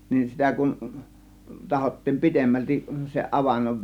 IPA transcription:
nin sitæ kun tɑhotːiːm pi̞temːæltiʔ seʔ ʔɑʋɑnːoʋ

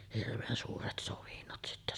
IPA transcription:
hirʋeːn suːret soʋinːot sitːæ

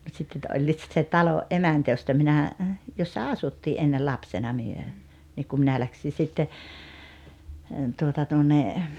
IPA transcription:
mut sitː etːæ olʲːiːt sit se tɑloʔ ʔemæntæ jostɑ minæ josːɑ ɑsutːiː ʔenːel lɑpsenɑ myø niːk ku minæ læksi sitːe tuotɑ tuonːe

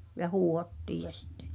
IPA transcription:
jɑ huːhotːiːj jɑ sitːe̥

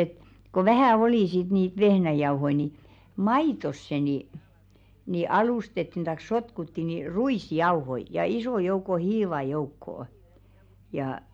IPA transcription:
et ko ʋæhæˑ oliˑ sit niːt ʋehnæjɑuhoi ni mɑitosːe ni ni ɑlustetːin tɑik sotkutːi ni ruisjɑuhoi jɑ isoˑ jouko hiːʋɑ joukːoː jɑˑ

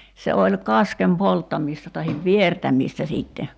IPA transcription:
se olʲ kɑskem poltːɑmiˑstɑ tɑhiʋ ʋiertæmiˑstæ siːtːe

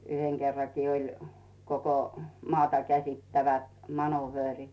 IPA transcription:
yheŋ kerːɑkiː olʲ koko mɑːtɑ kæsitːæʋæt mɑnuʋøːrit

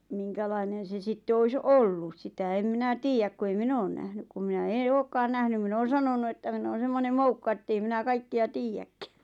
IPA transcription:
miŋkælɑinen̞ se sitːe ois olːus sitæ em minæ tiːjæk ku ei min oːn næhnyk kum minæ ẽː oːkːɑːn næhnym min oːn̞ sɑnonu etːæ min oːn̞ semːonem moukːɑ etːei minæ kɑikːiɑ tiːjækːæ̥

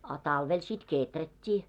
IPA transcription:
ɑ tɑlʋel sit keˑtrætʲːiː

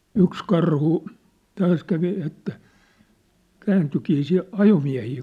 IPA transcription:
yks kɑrhu tɑːs kæʋi etːæ kæːntykiː si ɑjomiæ̝hiː

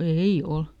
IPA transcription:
ei ol

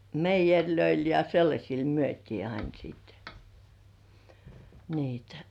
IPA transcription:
meijerʲløil jɑ selːɑsʲil myøtʲiː ɑin siːt niːtæ̥

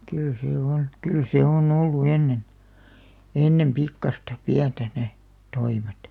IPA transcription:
kyl seː on kyl seˑ on olːu enːen enːem pikːɑstɑ piæntæ ne toimet

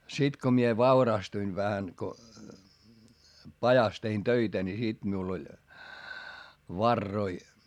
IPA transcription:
sit ko mie ʋɑurɑstuin ʋæhæ ko pɑjɑs tein tøitæ ni sit miul olʲ ʋɑrːoi

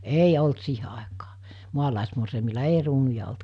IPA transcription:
ei olt siːhe ɑˑekɑː muɑlɑˑesmorseimilːɑ ei ruːnujɑ olt

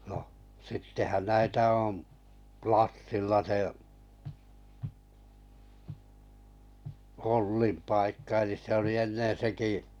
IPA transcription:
noh sitːehæn næitæ oˑm plɑsːilːɑ se olːim pɑikːɑ elis se oli enːen̞ seki

